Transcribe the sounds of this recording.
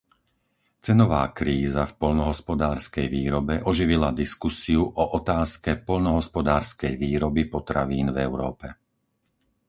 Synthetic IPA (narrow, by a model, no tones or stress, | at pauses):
t͡sɛnɔʋa̰ːkɾiːzafpɔʎnɔɦɔspɔd̪aːɾskɛjʋiːɾɔbɛʔɔʒiʋilad̪iskusiuʔɔʔɔt̪aːskɛpɔʎnɔɦɔspɔd̪aːɾskɛjʋiːɾɔbipɔt̪ɾaʋiːnvɛʊɾɔ̰ːpɛ